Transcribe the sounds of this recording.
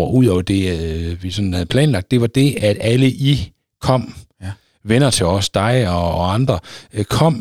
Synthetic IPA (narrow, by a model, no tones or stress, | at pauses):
ɐʔuð̞̰ˠɒʊɐd̥e̝ʋisɒ̽nn̩hæðˠpʰlɛ̰ːnlɑɡ̥̚d̥e̝ʋɑ̈d̥e̝æd̥æləʔi | kʰɒ̽m̰ | ʋenɐt͡sʰe̝ɒ̽sd̥ɑ̈ɪɒ̽ːɑ̈nd̥ʁɐkʰɒ̽m̰